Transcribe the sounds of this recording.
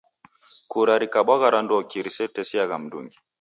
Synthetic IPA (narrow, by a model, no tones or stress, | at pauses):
kuɾaɾikaɓaɣaɾanduɔkiɾisɛtɛsiaɣam̩dṵŋɡi